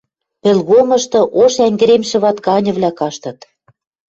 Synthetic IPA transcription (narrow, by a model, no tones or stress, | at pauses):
pĕlɣomɤ̆ʃt̪ɤ̆ʔoʃæŋɡɘ̆ɾemʃɘ̆βɑt̪kɑnʲɤ̆βlʲækɑʃt̪ɤ̆t̪